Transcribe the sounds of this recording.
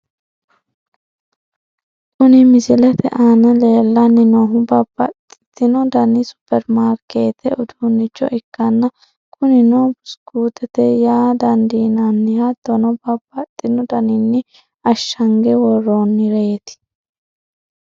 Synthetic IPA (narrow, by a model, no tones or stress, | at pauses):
kʼʊnɪmɪsɪlɛt̪ʰɛ̰ʔanɐleːlːɐnːɪnoɦʊbɐbːɐt̪ʼːɪt̪ːɪnɔd̪ɐnɪsʊ̥pːɛɾmaːɾkeːt̪ʰɛʊd̪uːnːɪt͡ʃːɔ̰ʔɪkːɐnːɐ | kʰʼʊnɪnɔsɡuːt̪ɛt̪ɛjaːd̪ɐnd̪iːnɐnːɪhɐd̪ːɔnɔbɐbːɐt̪ʼːɪnɔd̪ɐnɪnːɪ | ɐʃːɐŋɡɛwɔrːonːɪɾet̪ɪ̥